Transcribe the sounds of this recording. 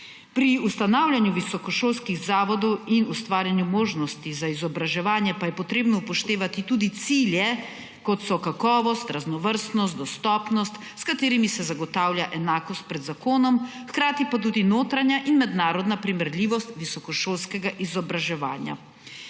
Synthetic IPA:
pɾiust̪anaːwlʲjanjuʋisɔkɔʃoːlskiɣzaːʋɔd̪ɔwinust̪ʋaːɾjanjumoːʒnɔst̪izaizɔbɾaʒɛʋaːnjɛpajɛpɔt̪ɾeːbnɔupɔʃt̪eːʋat̪it̪uːd̪it̪siːljɛ | kɔt̪sɔkakɔːʋɔst̪ɾaznɔʋəɾst̪nɔst̪d̪ɔst̪ɔːpnɔst̪ | skat̪eːɾimisɛzaɡɔt̪aːwljaʔɛnaːkɔst̪̚pɾɛd̪zakoːnɔm | xkɾaːt̪ipat̪̬uːd̪inoːt̪ɾanjaʔinmɛd̪naːɾɔd̪napɾimɛɾliːʋɔst̪ʋisɔkɔʃoːlskɛɡaʔizɔbɾaʒɛʋa̰ːnja̰

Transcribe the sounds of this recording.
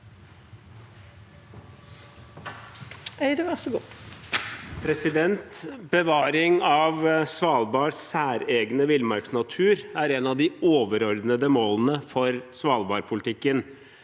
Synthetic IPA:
æɪd̪ɛʋɔsɔɡuː | pʰɾɛsɪd̪ɛnt̪bəʋɑːɾɪŋɑʋsʋɑːlˠbɑːɾsæːɾeːɡnəʋɪlmɑɾksnɑt̪ʰʉːɾæɾɛnɑʋd̪ɪoːʋəɾɔɾd̪nəd̪əmoːlnəfɔɾsʋɑːlbɑːɾpʰʊlɪt̪ʰɪkːən

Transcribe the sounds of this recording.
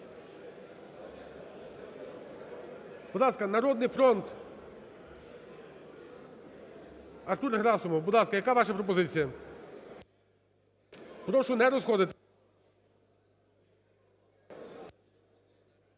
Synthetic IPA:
bud̪lˠaskɐnɐɾɔd̪nɪjfɾɔnt̪ | ɐɾt̪uɾɦɾɑsʊmɔwbud̪lˠɑskɐjɐkaʋaʃɐpɾɔp̬ɔzɪt͡sʲijɐ | pɾɔʃʊnɛɾɔzxɔd̪ɪt̪

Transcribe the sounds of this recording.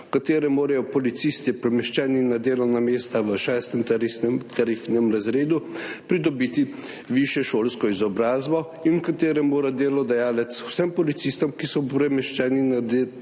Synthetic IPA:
kat̪eːɾɛmoːɾajɔpɔlit̪sist̪ipɾɛmɛʃt͡ʃɛːninad̪eːlɔwnameːst̪aʋəʃɛːst̪ɛmt̪aɾifnɛmɾazɾeːd̪upɾid̪ɔbiːt̪i | ʋiʃjɛʃoːlskɔizɔbɾaːzbɔ | inwkat̪eːɾɛmoːɾad̪eːlɔd̪ajaːlɛt̪sw̥sɛmpɔlit̪sist̪ɔmkisɔpɾɛmɛʃt͡ʃɛːniad̪

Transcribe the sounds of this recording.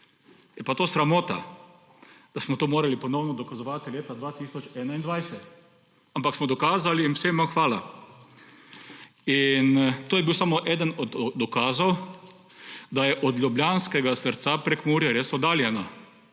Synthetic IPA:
jɛpat̪oːsɾamoːt̪a̰ | d̪̥asmɔt̪oːmoːɾalipɔnɔwnɔd̪ɔkazɔʋaːt̪ileːt̪ad̪ʋaːt̪iːsɔt͡ʃɛːnaind̪ʋajsɛt̪ | ampaksmɔd̪ɔkaːzaliːnwsemaxʋaːla | int̪oːjɛbiwsamɔʔɛːd̪ənɔd̪ːɔkaːzɔw | d̪ajɛʔɔd̪lʲjubljanskɛɡasəɾt̪sapɾekmuːɾjɛɾeːsɔd̪aːljɛna

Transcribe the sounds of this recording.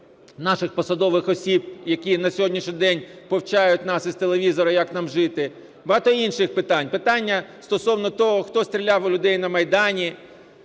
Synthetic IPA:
nɑʃɪxpɔsɐd̪ɔʋɪxɔsʲibjɐkʲinɐsʲɔɦɔdʲnʲiʃnʲid̪ɛnʲpɔwt͡ʃajʊtʲnɑsizt̪elˠeʋʲizɔɾɐjaknɑmʒɪt̪ɪ | bɐɦɑt̪ɔinʃɪxpɪt̪ɑnʲpɪt̪ɑnʲːɐst̪ɔsɔwnɔt̪ɔɦɔxt̪ɔst̪ʲɾʲilʲawlʲʊd̪ɛjnɐmɐjd̪ɑnʲi

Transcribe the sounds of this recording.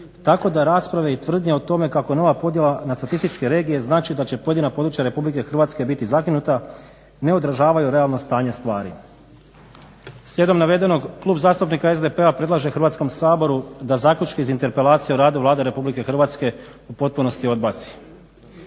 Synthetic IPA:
t̪ako̞d̪aɾaːspɾaʋe̞it̪ʋr̩d̪ɲeot̪o̞me̞kako̞jeno̞ʋapo̞d̪je̞lanast̪at̪ist̪it͡ʃkeɾe̞ːɡije̞znaːt͡ʃid̪at͡ɕe̞po̞jed̪inapod̪ɾut͡ʃjaɾe̞publike̞xr̩ʋaːt̪ske̞bit̪izakinut̪a | ne̞o̞d̪ɾaʒaːʋajuɾe̞alˠno̞st̪aːɲe̞st̪ʋaːɾḭ | slʲje̞d̪omnaʋe̞d̪enoɡklˠuːbazaːst̪upnikaezd̪e̞pe̞apɾe̞d̪lˠaʒexɾrʋat̪sko̞msaːbo̞ɾud̪azaːkʎʲut͡ʃkeizint̪e̞ɾpe̞laːt̪sijeuɾaːd̪uʋlˠaːd̪eɾe̞publike̞xɾr̩ʋaːt̪ske̞ | upo̞t̪̚puno̞st̪io̞d̪bat̪si̥

